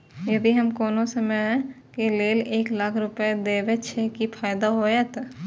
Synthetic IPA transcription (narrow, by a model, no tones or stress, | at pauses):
jɐd̪iɦɐmkoːnõsɐməɦɛ̃ | keleːleːklaːkʰɾʊped̪eːʋet͡ʃʰekipʰaːjd̪aɦoːeːt̪